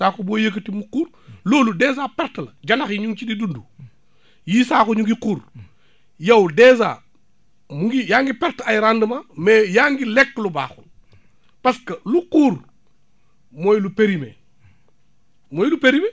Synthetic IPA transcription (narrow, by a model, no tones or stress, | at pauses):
saːkoboːjek̬ətimukuːɾ | loːludeːzaːpɛɾtlɐd͡ʒɐlɐxjiɲuŋt͡ʃididundu | jiːsaːkoɲuŋɡikuːɾ | jɐwdeːza̰ː | muŋɡijaːŋɡipɛɾtajɾandəmamɛːjaːŋɡilɛkːluba̰ːxṵl | pɐskɐluquːɾ | moːjlupeɾimḛ | moːjlupeɾimeː